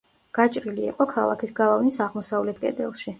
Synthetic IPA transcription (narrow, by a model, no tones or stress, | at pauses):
ɡ̥at͡ʃʼɾilḭːqʼɔkʰalˠa̰kʰisɡalˠavnisaʁmɔsavlɛt̪̚ʰkʼɛ̰d̪ɛ̰lˠʃi